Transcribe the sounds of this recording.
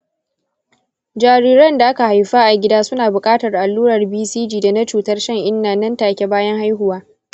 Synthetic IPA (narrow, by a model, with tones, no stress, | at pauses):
d͡ʒaː˨ɾiː˦ɾɐ˦nda˨ʔa˦ka˨ha˨jɸaː˦ʔa˨ɡʲɪ˦daː˦sʊ˦naː˨bʊ˨kʼaː˦tɐ˨rʔa˨lːuː˦ɾɐ˨rbiː˦siː˦d͡ʒiː˨da˨na˦t͡ʃuː˨tɐ˦rʃɐ˦ŋʔɪ˦nːaː˨nɐ˦ntaː˨kʲe˦baː˦jɐ˦ŋha˦jɦʊ˦waː˦